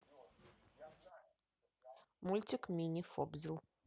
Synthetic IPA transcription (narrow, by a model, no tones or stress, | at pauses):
mulʲtʲɪkmʲinʲifɔbzʲɪlˠ